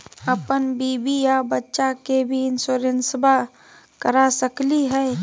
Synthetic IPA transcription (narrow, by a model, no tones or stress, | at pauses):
əpənbiːbijabətːʃakebʱiɪnsoːɾẽnsba | kəɾasəkliɦɛː